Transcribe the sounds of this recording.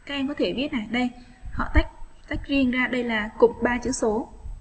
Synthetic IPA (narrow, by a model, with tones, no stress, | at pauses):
kaː˦˥k̚ɛ˧mkɔ˨˦t̪ʰe˧˩ɓi˦˥ət̚ʔaː˧˩jɗə˧j | hɔ̰˧˨t̪a˦˥k̚t̪a˦˥jk̟̚zi˧ənzaː˧ɗə˧jlaː˨˩kʊ˨˩ŋ͡m̚ɓaː˧t͡ɕɨ̰˧˥əso˨˦